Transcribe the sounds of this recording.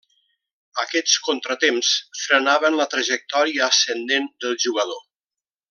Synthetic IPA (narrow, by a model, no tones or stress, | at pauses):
əkɛt͡skont̪ɾət̪emsfɾənaβənlət̪ɾəʒək̚t̪ɔɾiəːsənd̪end̪əlˠʒuɣəðo